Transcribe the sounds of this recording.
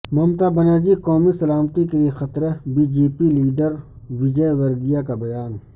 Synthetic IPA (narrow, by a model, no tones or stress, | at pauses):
mɐmt̪abɐnad͡ʒikɔːmisɐlaːmt̪ikeliexɐt̪ɾəbiːd͡ʒeːpiliːɖəɾ | ʋid͡ʒəjʋɐɾɡ̪ijakabɐjaːn